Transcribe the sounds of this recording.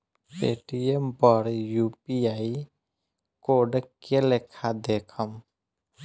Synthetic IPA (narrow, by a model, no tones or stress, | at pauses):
peːʈijempəɾjupiaːi | koːɖkelekʰad̪eːkʰəm